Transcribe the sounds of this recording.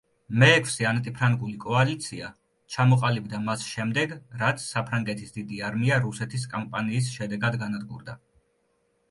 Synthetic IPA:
mɛːkʰfsiant̪ʼipʰɾaŋɡulikʼɔalit̪sʰia | t͡ʃʰamɔqʼalibd̪amasʃɛmd̪ɛɡɾat̪sʰsapʰɾaŋɡɛt̪ʰisd̪id̪iaɾmiaɾusɛt̪ʰis̬kʼampʼaniːs̬ʃɛd̪ɛɡad̪ɡanad̪ɡṵɾd̪a

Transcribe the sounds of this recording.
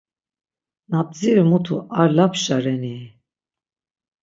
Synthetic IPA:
nap̚ʼziɾmut̪ʰuaɾlapʃaɾɛni

